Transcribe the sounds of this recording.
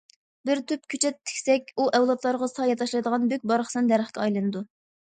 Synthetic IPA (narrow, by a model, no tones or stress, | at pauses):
bɪɾt̪ʰyp̚kʲʰyt͡ʃʰɛt̪ʰːɪ̥kʲsɛkʲuʔɛwlˠɑt̪ʰlˠɑɾʁɑsɑjɑt̪ʰɑʃlˠɨjd̪əʁɑnbøk̚ʲbɑɾχʰsɛnd̪æɾəχkʲɛɑjlˠɨnɨd̪u